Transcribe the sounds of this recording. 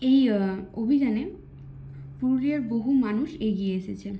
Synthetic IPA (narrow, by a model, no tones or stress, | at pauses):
ejobʱid͡ʑane | puɾlieɾboɦumanuʃeɡieeʃet͡ɕʰe